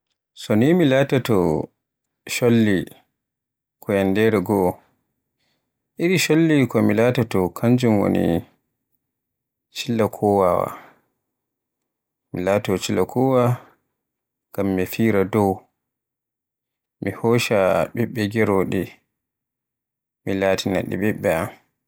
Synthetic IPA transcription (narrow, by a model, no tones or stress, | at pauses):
sɔnimilaːtatɔ | ʃolːi | kʰɔjandɛɾɛɡɔ | ʔiɾiʃolːikɔmilaːtatɔkʰaɲd͡ʒumwo̰nḭ | t͡ʃilːakʰɔwawa̰ | milaːtɔt͡ʃilːakʰɔwa | ɡ̥amːifiːɾadɔw | mihɔːʃaɓɛɓːɛɡɛɾɔɗɛ | milaːtʰina̰ɗḭɓɛɓːɛam